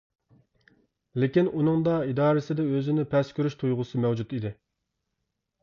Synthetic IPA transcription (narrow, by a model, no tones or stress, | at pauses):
lɪkʲinunɨŋd̪ɑid̪ɑːɾɪsɪd̪ɛøzɪnɪpʰɛskʲʰyɾyʃt̪ʰujʁʊsɨmɛwd͡ʒut̪id̪ɪ